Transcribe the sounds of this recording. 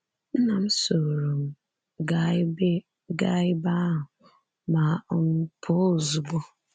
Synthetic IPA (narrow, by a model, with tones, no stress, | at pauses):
n̩˦nã˨m˦so˨ɾo˨m | ɡa˦be˦ | ɡa˦jba˦ʊ˨ | ma˨ɔ˦n˦pʰo˦˨zu˨bɔ˦